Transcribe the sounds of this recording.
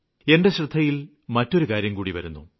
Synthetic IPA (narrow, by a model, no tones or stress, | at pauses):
e̞ɳɖeɕrɨd̪ʱːɐjil | mɐtːo̞ɾukaːɾjɐmkuːɽiʋɐ̰ɾunːu